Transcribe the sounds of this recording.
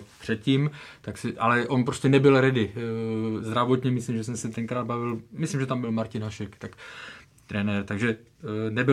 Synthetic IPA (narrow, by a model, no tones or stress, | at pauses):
pr̥ɛt̪̚ciːmt̪aksɪʔalɛʔo̞npɾo̞scɛnɛbɪlɾɪdɪ | zd̪ɾavo̞t̪ɲɛmɪslimʒɛs̬ɛmsɛt̪ɛŋkɾaːd̪̚bavɪlmɪslimʒɛt̪ambɪlmaɾcɪnɦaʃɛkt̪ak | t̪ɾɛnɛɾt̪aɡʒɛ | nɛbɪ